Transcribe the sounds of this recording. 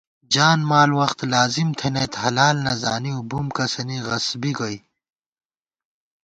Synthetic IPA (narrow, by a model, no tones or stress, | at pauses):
d͡ʑaːnmaːlwɐxt̪laːzimt̪ʰenet̪ɦɐlaːlnɐza̰ːniubumkɐsɐniɣɐsbiɡɐj